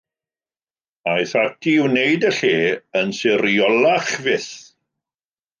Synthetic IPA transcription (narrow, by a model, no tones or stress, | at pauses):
ajθatʰiɪwnejdəɬeːənsɪɾjɔlaχvɪθ